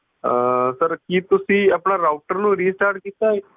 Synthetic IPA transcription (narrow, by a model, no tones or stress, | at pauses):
səɾkiːt̪usiːapɳaɾawʈəɾnũːɾisʈaɾʈ̚kit̪aj